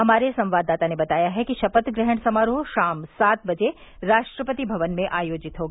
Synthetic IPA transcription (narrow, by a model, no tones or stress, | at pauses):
ɦɐmaːɾesɐ̃mʋaːd̪ːaːt̪anebɐt̪aːjaɦɛkiʃɐpət̪ɡɾɛɦəɳ̃sɐmaːɾoɦʃaːmsaːt̪̚bɐd͡ʒe | ɾaːʃʈɾəpət̪ibʱɐʋənmẽʔaːjoːd͡ʒɪt̪ɦoːɡː